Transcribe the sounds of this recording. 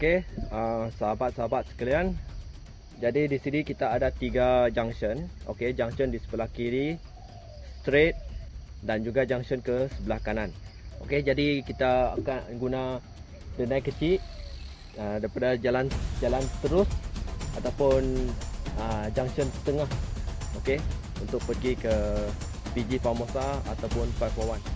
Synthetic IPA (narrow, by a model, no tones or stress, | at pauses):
okeəsəɦabat̪̚saɦabat̪̚sə̥kalian | d͡ʒadidisinikit̪aːdat̪iɡad͡ʒaŋsənʔo̰ked͡ʒaŋsəndisə̥bəlahkiɾi | st̪ɾet̪̚ | dand͡ʒuɡad͡ʒaŋsənkəsəbəlahkanan | o̰ked͡ʒadikit̪aa̰kaɡuna | dənajkət͡ʃi | ədaɾipadad͡ʒaland͡ʒalant̪əɾʊsʔat̪awpʊn | əd͡ʒaŋsənsə̥t̪əŋahoke | unt̪ʊk̚pərɡikə | p̪id͡ʒifamosaa̰t̪awpʊnfafowan